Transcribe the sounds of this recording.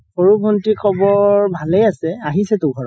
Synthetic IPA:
poɹubʱɔntikʰɔbɔɹbʱalejasɛaɦisɛtʊɡʱɔɹɔ

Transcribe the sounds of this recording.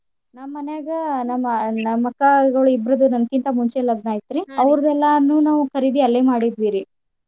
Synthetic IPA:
namːɐnjaɡɐnɐmːɐnɐmːɐkːɐɡɐɭuibɾɐd̪unɐnkint̪ɐmuɲt͡ʃelɐɡ̚naːjit̪ɾiɐʋɾɐd̪ɛlːɐnuːnaːʋukʰɐɾid̪iɐlːemaːɽid̪ʋiːɾi

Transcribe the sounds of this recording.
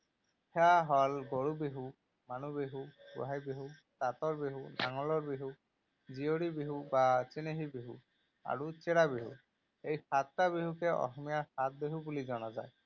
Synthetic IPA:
hʰɛaɦɔlɡoɹubeɦu | manubeɦuɡṵɦajbiɦu | t̪at̪ɔɹbiɦuna̰ŋɔlɔɹbiɦu | zioɽibiɦubat͡ʃeneɦibiɦṵ | a̰ɹut͡ʃeɽabiɦṵ | ejxat̪̚ːabiɦukɛɔ̰xɔmijaxat̪̚beɦubulizɔnazaj

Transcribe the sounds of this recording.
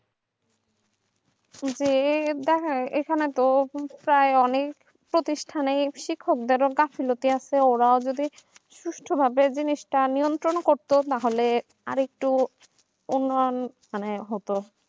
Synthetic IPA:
d͡ʑed̪ɛkʰaʔekʰanet̪opɾaeɔnek | pɾot̪iʃʈʰanejʃikʰːok̚d̪eɾoɡafʰilot̪iasʰeoɾaod͡ʑod̪i | ʃuʃʈʰobʱabed͡ʑiniʃʈanijont̪ɾonkoɾt̪ot̪aɦole | aɾek̚ʈu | unːɔjonmaneɦot̪o

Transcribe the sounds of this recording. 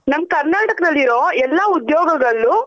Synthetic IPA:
nɐmːɐkɐɾnaːʈɐkɐd̪ɐlːiɾoːɛlːaud̪jɔːɡɐɡɐɭːu

